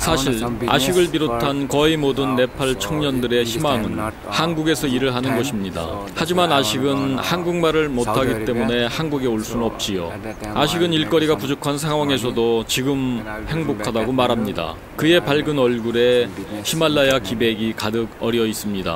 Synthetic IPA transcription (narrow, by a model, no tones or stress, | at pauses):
sʰaɕʰiɾa̰ɕʰiɡɯɭpiɾotʰankʌimodɯnːe̞pʰaɭt͡ɕʰʌŋɲʌndɯɾe̞çimaŋɯn | hanɡuɡe̞sʰʌiɾɯɭɦanɯnɡʌɕʰimɲida̰ | had͡ʑimanaɕʰiɡɯnhanɡuŋmaɾɯɭmotʰaɡit͈e̞mune̞hanɡuɡe̞oɭs͈unnʌp̚t͡ɕ͈ijo̰ | aɕʰiɡɯniɭk͈ʌɾiɡapud͡ʑokʰans̬ʰaŋɦwaŋe̞s̬ʰʌdot͡ɕiɡɯmhe̞ŋbokʰadaɡomaɾɦamɲida̰ | kɯe̞paɭɡɯnʌɭɡuɾe̞çimaɭːajakibe̞ɡikadɯɡʌɾjʌis͈ɯmɲida̰